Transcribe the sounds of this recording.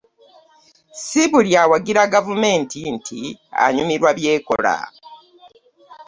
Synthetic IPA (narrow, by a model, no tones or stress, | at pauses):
siβuljawaɡiɾaɡavume̞ːntʰintʰia̰ɲumiɾwaβje̞ːko̞̰la̰